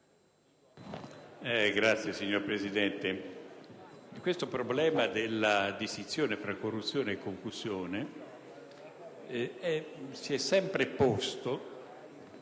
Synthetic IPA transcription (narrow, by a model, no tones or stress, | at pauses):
ɛɡɾat̪sːjesiɲːoɾpɾezid̪ɛnt̪e | kwest̪opɾoblɛːmad̪elːad̪ist̪it̪sːjoːnefɾakːorːut̪sːjoːneːkːoŋkuz̥joːne | ɛsiɛsːɛmpɾepost̪o